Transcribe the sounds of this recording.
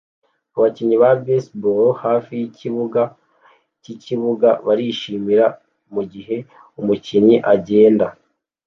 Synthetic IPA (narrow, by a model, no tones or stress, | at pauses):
uβaciɲiβabesbuɾhaːfijiciβuɡa | ciciβuɡaβaɾiʃimiɾa | muɟiɦe̞ | umuciɲiʔaɟe̞ːnda